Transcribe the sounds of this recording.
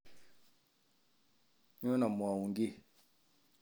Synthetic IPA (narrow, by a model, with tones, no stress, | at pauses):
ɲ˦õ˦na˨mu˨a˨wũ˨ŋɡi˦˨